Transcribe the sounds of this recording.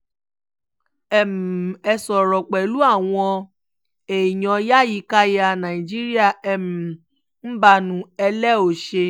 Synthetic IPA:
ɛ˦˨m̩˨ɛ˧sɔ˨ɾɔ˨k͡pɛ˨lu˦a˦˨w̃ɔ̃˧ | e˨jɔ̃˨ja˦ji˨˦ka˦ja˨nã˨ĩ˨d͡ʒi˦ɾi˦a˦˨ɛ˨m̩˨ | n̩˦ba˧nũ˨˦ɛ˧lɛ˦o˨ʃe˧

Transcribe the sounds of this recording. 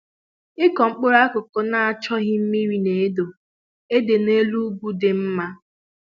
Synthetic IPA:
ɪ˦kɔ˨ŋ͡m̩˦k͡po˦ɾa˦kʊ˨ko˨na˨a˨t͡ʃɔ˦ɣɪ˦m̩˦mi˦ɾi˦ne˨e˦do˨ | e˦de˨ne˦lu˦ɡʷu˦dɪ˨m̩˦ma˦

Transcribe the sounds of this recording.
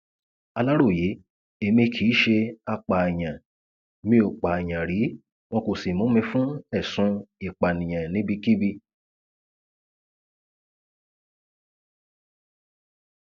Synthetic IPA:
a˧la˦ɾo˦˨je˨˦ | e˧mĩ˧kʰi˨˦ʃe˧a˧k͡pa˨j̃ã˨ | mĩ˧˦o˨k͡pa˨j̃ã˨ɾi˨˦ | w̃ɔ̃˧ko˨si˨mũ˨˦mĩ˧fũ˦ɛ˦˨sũ˧i˨k͡pa˨nĩ˨j̃ã˨nĩ˨˦bi˧ki˦bi˧

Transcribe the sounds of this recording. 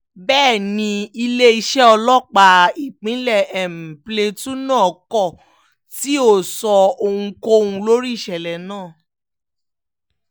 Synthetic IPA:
bɛː˦˨nĩ˧i˧le˦i˧ʃɛ˦ɔ˧lɔ˦k͡pa˧˦i˨k͡pĩ˨˦lɛ˦˨ɛ˨m̩˨ple˧tũ˦nãː˦˨kɔ˦˨ | ti˨˦o˦˨sɔ˧o˧hũ˧ko˧o˧hũ˧lo˦ɾi˦i˦˨ʃɛ˨lɛ˨nãː˦˨

